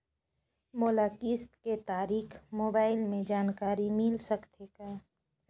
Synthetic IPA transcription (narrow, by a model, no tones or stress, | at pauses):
moːlaːkiːst̪ket̪aːɾiːkʰmoːbaːɪlmẽd͡ʒaːnkaːɾimɪlsəkt̪ʰekaː